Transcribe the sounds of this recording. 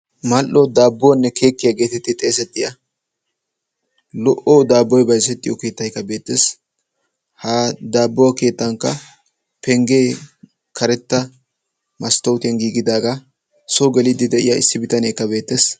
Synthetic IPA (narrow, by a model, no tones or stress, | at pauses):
mɐlʔod̪aːbːɔwɐnːɛkʰe̞ːkːɪjɐɡe̞ːt̪ɛt̪ːɪt̪ʼeːsɛt̪ʼːɪjɐ | lɔʔoːd̪aːbːɔjbɐjsɛt̪ʼːɪjɔke̞ːt̪ːɐjkːɐbe̞ːt̪ːeːs | haːd̪aːbːɔwɐke̞ːt̪ːɐŋkːɐ | pɛŋɡe̞ː | kʰɐɾɛt̪ːɐ | mɐst̪ɐwt̪ɪjɐnɡiːɡɪd̪aːɡɐ | sɔɡɛlɪd̪ɪd̪ɛʔɪ̰jaɪ̰sːɪbɪt̪ɐnekːɐbe̞ːt̪ːe̞ːs